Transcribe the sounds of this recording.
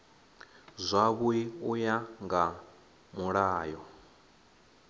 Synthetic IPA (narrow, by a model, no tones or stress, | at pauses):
zʷaβuiujaŋɡa | muɺaːjɔ